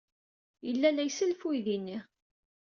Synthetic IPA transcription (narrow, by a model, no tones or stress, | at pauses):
jəlːælæjsəlfujðinːiʁ